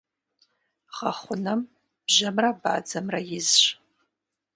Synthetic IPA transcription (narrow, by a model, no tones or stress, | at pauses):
χaχʷʊnam | b̥ʒamraba̰ːd͡zɐmrajɪzʃ